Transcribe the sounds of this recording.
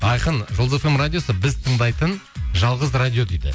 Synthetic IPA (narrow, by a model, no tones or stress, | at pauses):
ɑjqənʒolˠefemrad̪ʲijo̞səbɪzt̪ʰəɴd̪ɑjt̪ənʒɑlˠʁəzrad̪ʲijo̞d̪ejd̪ɪ̰